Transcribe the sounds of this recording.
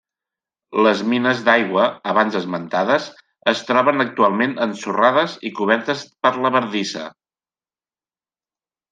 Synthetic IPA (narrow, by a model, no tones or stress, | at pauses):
ləzminəzd̪ajɣwəəβanzəzmənt̪aðəz | əst̪ɾɔβənək̚t̪ualˠmenənsuraðəzikuβ̞ɛɾt̪əspəɾləβəɾðisə̰